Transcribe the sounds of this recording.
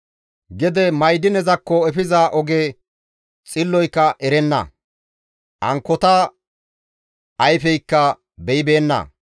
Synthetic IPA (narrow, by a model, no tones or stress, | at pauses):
ɡɛd̪ɛmɐjd̪ɪnɛzɐkːɔɛfɪzaːʔɔɡe | t͡sʼɪlːɔjkːɐʔɛɾɛnːɐ̰ | ʔɐ̰ŋkːɔt̪a | ʔɐjfɛjkːɐ | bɛɪbe̞ːnːɐ̰